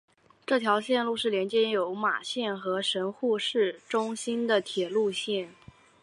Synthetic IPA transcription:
ʈ͡ʂɤ˥˩t̪ʰjɑ˧˥ʊɕjɛ˥˧nlu˥˧ʂɻ̩˥˩ljɛ˧˥nt͡ɕjɛ˥jo˧˥ʊma̰˨˩ɕjɛ˥˩nxɤ˧˥ʂə˧˥nxu˥˧ʂɻ̩˥˩ʈ͡ʂʊ˥ŋɕi˥nd̪ə˨t̪ʰjɛ˨˩lu˥˧ɕjɛ˥˩n

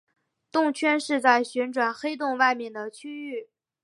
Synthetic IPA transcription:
t̪ʊ˥˧ŋt͡ɕʰɥɛ˥nʂɻ̩˥˧t͡sa˥˩ɪɕɥɛ˧˥nʈ͡ʂwa˨˩nxe˥ɪt̪̬ʊ˥˧ŋwa˥˧ɪmjɛ˥˩nd̪ə˩t͡ɕʰy˥y˥˩

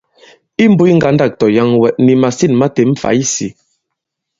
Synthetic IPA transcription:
i˦m̩˦bu˦i˦ŋ̩˦ɡa˨˦n˦da˦˨k̚tɔ˨ja˦ŋwɛ˨ʔ̚ni˨ma˨si˦˨nma˦te˨m̩˦fa̰˨˦i˦si˨

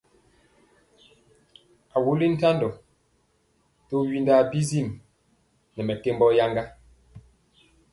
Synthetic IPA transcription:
a˨wu˦li˦n̩˦ta˦ndɔ˨ | to˦ɥi˦nda˨bi˦zi˦˨m | nɛ˨mɛ˨ke˦mbɔ˦ja˦ŋɡa˦

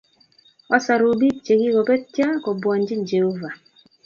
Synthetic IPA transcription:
ɔ˦sa˨ɾu˨bi˦t͡ʃe˨ɡi˦kɔ˨bɛ˦tja˦kɔ˨bwa˨n˦d͡ʒi˦nd͡ʒe˨ho˦va˨

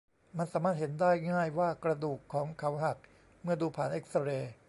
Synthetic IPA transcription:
ma˧nsaː˩˦maː˥˩t̪̚he˩˦ndaː˥˩jŋaː˥˩jwaː˥˩kɾa˧duː˨˩kʰːɔː˩˦ŋkʰa˩˦wɦa˨˩k̚ | mɯ˥˩ɐduː˧pʰaː˨˩nʔe˦˥k̚sa˧ɾeː˧

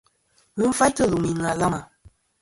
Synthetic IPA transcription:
ɣɨ˦ɱ̩˦fa˦jtə˦˨lu˨mi˨ŋ˨a˨la˦ma˨

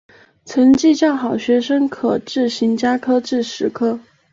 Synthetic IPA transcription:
t͡sʰə˧˥ŋt͡ɕi˥˧t͡ɕjɑ˥˩ʊxɑ˨˩ʊɕɥɛ˧˥ʂə˥ŋkʰɤ˨˩ʈ͡ʂɻ̩˥˩ɕi˧˥ŋt͡ɕja˥kʰɤ˥ʈ͡ʂɻ̩˥˩ʂɻ̩˧˥kʰɤ˥

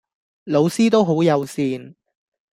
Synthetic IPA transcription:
lo˨˧wsiː˥t̪o˥wɦo˨˥wjɐ˨˧wsiː˧n

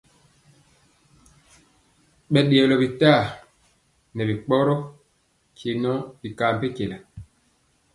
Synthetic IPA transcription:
ɓɛ˨ɗe˨ɛ˨lɔ˨bi˨ta˦˨ | nɛ˨bi˨k͡pɔ˦ɾɔ˦ | kʰi˨nɔ˦bi˨kaː˨m˨pe˦ke˨la˨

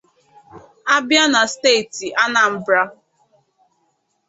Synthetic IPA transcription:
a˦bja˦na˨ste˦˨ti˨ʔa˦na˨m̩˦bɾa˦

